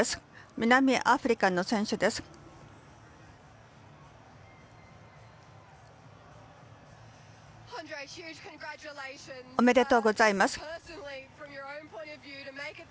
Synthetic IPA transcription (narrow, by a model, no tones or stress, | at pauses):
esɨ̥mʲinamʲiʔaɸɯ̟ɾʲikano̞sẽ̞ɰ̃ɕɨd̪e̞sɨ̥ | hɑ̃ndɹeɪhjʉ̥ːʒ̥kʰə̃nɡɹæt͡ʃəleɪʃə̃nzome̞d̪e̞t̪o̞ɡo̞zaimasɨ̥pʰɜˑ˞sənl̩ˠifɹə̃mjə˞ə̃ʊ̃npʰɔ̃ɪ̃ntəvjʉːɾɨmeɪkɪ